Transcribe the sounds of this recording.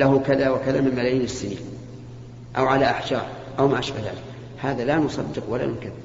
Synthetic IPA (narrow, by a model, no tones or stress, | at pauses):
laɦukaðawakaðamɪmmalajiːnɪsːɪnḭːn | ʔawʕalaʔaħd͡ʒɑ̰ːɾˤ | ʔawmaʔaʃbahða̰ːlɪk | haːðalanʊsˤɑ̰d̪ːɪqwala̰nʊkaθːɪ